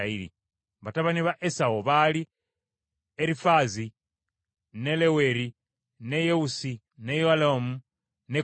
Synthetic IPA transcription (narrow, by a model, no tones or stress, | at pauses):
ailḭ | βataβaniβaʔesaoβali | eɾifazi | ne̞leweɾi | ne̞jeusi | nejoalomu | ne